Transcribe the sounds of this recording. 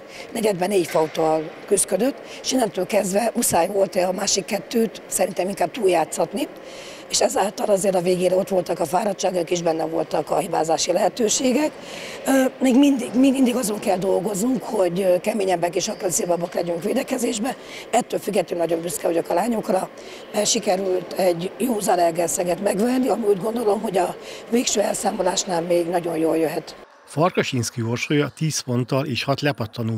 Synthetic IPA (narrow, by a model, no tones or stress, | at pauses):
nɛɟɛd̪bɛneːcfɒut̪ɒlkyskød̪øt̪ː | eʃinːɛnt̪øːlkɛzd̪vɛʔusaːjvo̞lt̪ɛɒmaːʃikːɛt̪ːøːt̪sɛɾint̪ɛmiŋkaːb̚t̪uːljaːt̪sɒt̪ni | eːʃɛzaːlt̪ɒlɒzeːrɾɒveːɡeːɾɛo̞t̪ʋo̞lt̪ɒkɒfaːɾɒt̪t͡ʃaːɡokiʒbɛnːɛvo̞lt̪ɒkɒɦibaːzaːʃilɛɦɛt̪øːʃeːɡɛk | meːɡmind̪iɡmiːɡmind̪iɡɒzo̞ŋkɛld̪o̞lɡo̞znuŋkho̞ɟkɛmeːɲɛmbɛkeːʃɒkønseːbɒbɒklɛɟyŋkʋeːd̪ɛkɛzeːʒbɛ | ɛt̪ːøːlfyɡːɛt̪ːynɒɟo̞mbyskɛɦoɟokɒlaːɲo̞krɒ | ɛʃikɛɾylt̪ɛɟjoːzɒlɛrɡɛsɛɡɛt̪mɛɡʋɛnːiɒmiuːɟɡo̞nd̪o̞lo̞mho̞ɟɒveːkʃøːɛlsaːmo̞laːʃnaːlmeːɡnɒɟo̞jjoːljøɦɛt̪ | fɒrkɒʃinskiorʃoːjɒt̪iːsfo̞nt̪ɒleːʃhɒt̪lɛpɒt̪ʰːɒnuː